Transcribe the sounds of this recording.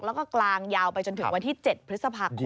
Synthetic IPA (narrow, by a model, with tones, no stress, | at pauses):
klːwkɔː˥˩klaː˧ŋjaː˧wpa˧jt͡ɕo˧nt̪ʰɯ˩˦ŋwa˧nt̪ʰiː˥˩t͡ɕe˨˩t̪̚pʰɾɯ˦˥t̪̚sa˧pʰaː˧